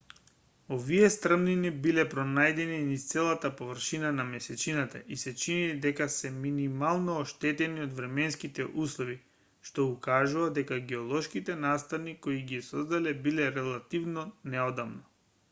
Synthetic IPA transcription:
oviɛst̪r̩mninibilɛpɾɔnajd̪ɛninist̪sɛlˠat̪apovr̩ʃinanamɛsɛt͡ʃinat̪a̰ʔisɛt͡ʃinid̪ɛkasɛminimalˠnɔːʃt̪ɛt̪ɛniod̪vɾɛmɛnskit̪ɛʔuslˠɔvi | ʃt̪ɔukaʒuvad̪ɛkaɡɛɔlˠɔʃkit̪ɛnast̪anikoiɡiɛsɔzd̪alɛbilɛɾɛlˠat̪ivnɔnɛɔd̪amnɔ

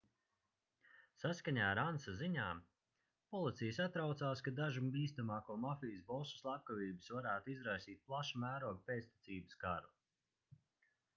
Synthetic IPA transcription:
saskaɲaːɾansaziɲaː | pɔlˠit̪sʲijəsat̪ɾawt̪saːskad̪aʒubiːst̪amaːkuɔmafijsbɔsu̥slˠap̚kaviːbɨ̥svaɾæːt̪uizɾajsiːt̪̚plˠaʃamæːɾuɔɡ̚pʲeːt̪st̪ʲi̥t̪siːbɨskaɾu

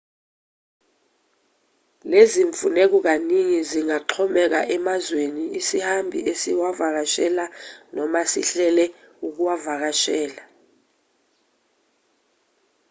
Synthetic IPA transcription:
leziɱfunek̬ɔk̬aniŋiziŋaǃʰɔmɛk̬aʔɛmazweniisihambʱḭesiwavak̬aʃɛlanɔmasḭɬɛlɛ | uk̬uwavak̬aʃɛːla

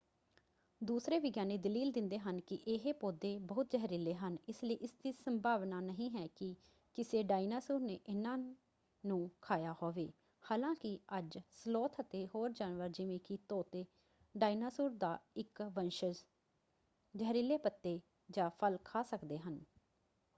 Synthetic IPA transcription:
d̪uːsɾeːʋɪɡjaːneːd̪əliːld̪ɪ̃nd̪eːɦənkɪʔeɦeːpoːd̪eːbəːʊt̪̚d͡ʒəɦɾɪleːɦənɪsləiːʔɪst̪ʰɪsəmbʱaːʋnaːnəɦĩːɦɛːkɪ | kɪseːɖaːinaːsuːɾneːʔɪnãː | nũːkʰaːjaːhoːʋeː | haːlãːkɪəd͡ʒsəloːt̪ʰət̪eːɦoːɾd͡ʒaːnʋəɾd͡ʒɪʋẽːkɪt̪oːt̪eː | ɖaːinaːsuːɾd̪aːɪkʋənʃəz | d͡ʒɛɦɾiːleːpət̪ːeː | d͡ʒaːpʰəlkʰaːsəkd̪eːɦən

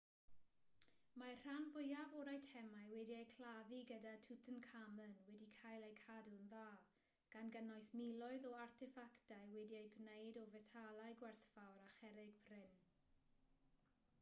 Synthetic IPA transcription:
mar̥anvʊjavɔɾajtʰɛmaɨwɛdiejkʰlaðiɡədatʰutʰənkʰamənwɛdikʰajlˠejkʰadʊnðaː | ɡ̥anɡənɔjsmilˠɔɨðɔartʰɪfaktajwɛdiejɡnejdɔvɛtʰalˠajɡwɛrθfawɾaχɛɾɪɡ̥̚pʰrɪn

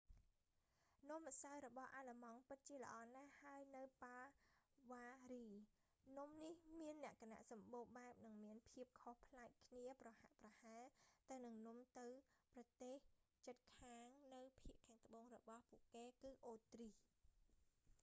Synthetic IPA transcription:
nŭəmʔasawɾɔɓɑhʔaːləmɑŋpɨt̪̚t͡ɕiələ̆ʔɑːnahaəjnɨwpaːʋaːriː | numnihmiənːɛ̆əʔkana̰ʔsɑmɓoːɓaɛp̚nɨŋmiənpʰiəp̚kʰohpʰlaɛk̚kʰniəprɑha̰ʔprɑhaːt̪ɨwnɨŋnŭmt̪ɨwprɑt̪eːht͡ɕət̪̚kʰaːŋnɨwpʰiəʔkʰaːŋt̪ə̆ɓoːŋrɔɓɑhpuəʔkeːkɨːʔoːt̪ri

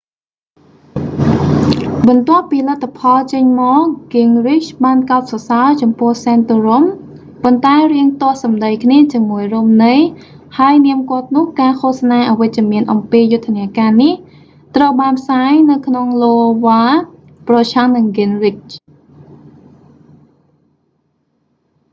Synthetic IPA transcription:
ɓɑnt̪ŏəpːiːlət̪ʰːapʰɑlt͡ɕəɲmɔːʔɡ̥iŋrit͡ɕɓaːnkaɔt̪̚sɑsaət͡ɕɑmpʊ̆əhsaːnt̪orom | pont̪aɛriəŋt̪ŏəhsɑmɗəjkʰniət͡ɕiəmuəjruːmnɨj | haəjniəmkŏət̪̚nʊ̆əhkaːkʰoəhsnaːʔaʋɨc̚t͡ɕɛəmiənʔɑmpiːjʊt̪ʰːaniəkaːnih | t̪rəwɓaːnpʰsaːjnɨwkʰnoŋloːʋaː | prɑt͡ɕʰaŋnɨŋɡiŋrit͡ɕ

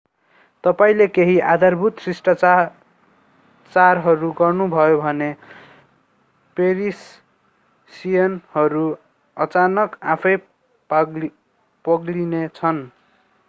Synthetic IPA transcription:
t̪ʌpaĩlekeɦiʔad̪ʱarbʱut̪srisʈa | t͡sarɦʌɾuɡʌrnubʱʌjobʱʌne | peɾis | sijʌnhʌɾu | ʌt͡sanʌkapʰʌj | pʌɡlinet͡sʰʌn

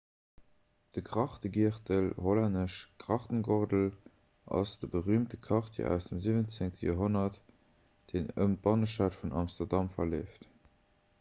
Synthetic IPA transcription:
d̥əɡʁɑχtəɡiəχtəlholanəʃɡ̥ʁɑχtənɡoʁdəl | ʔɑ̰sd̥əbəʁyːmtəkʰɑχtʰḭʔæ̰ʊsd̥əmzivənt͡seŋtʰəjo̰ːɦonɐt | d̥eːnə̰mtbɑnəʃaːtfunɑmstɐʁdɑmfɐleːft

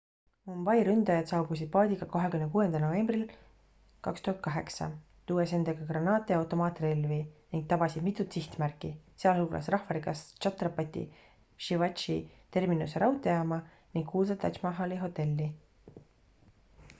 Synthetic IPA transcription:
mombɑjɾynd̪̥ɑjɑd̪sɑwbusid̪̥̚pɑːd̪ʲikɑkoɦe̞kymnekuːe̞nd̪̥ɑlno̞ve̞mbril | kɑkst̪uhɑt̪̚kɑɦe̞ksɑ̰ | t̪uwese̞nd̪eɡ̥ɑɡrɑnɑːt̪ːˑeɑwt̪ˑo̞mɑːt̪ːˑrelviniŋɡ̥̚t̪ɑb̥ɑsid̪mit̪ːˑut̪siht̪mærkːˑiseɑlhuːlʔɑ̰srɑhfɑɾikɑst͡ʃɑt̪ːˑrɑpɑt̪ʲḭ | ʃivɑt͡ʃit̪e̞rminuseɾɑwt̪ːˑejɑmɑ | niŋɡkkuːlsɑt̪ːɑt͡ʃmɑɦɑliɦo̞t̪ːˑe̞lʲːi

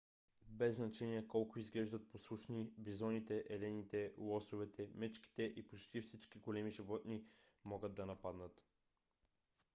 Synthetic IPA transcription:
bɛzːnɐt͡ʃɛniɛkɔlˠkʊizɡlɛʒd̪ət̪̚poslˠuʃnibizɔnit̪ɛʔɛlɛnit̪ɛlˠɔsʊvɛt̪ʰɛmɛt͡ʃki̥t̪ɛʔipot͡ʃt̪ifsit͡ʃkiɡolɛmiʒivɔt̪nimɔɡəd̪̚d̪ɐnɐpad̪nət̪

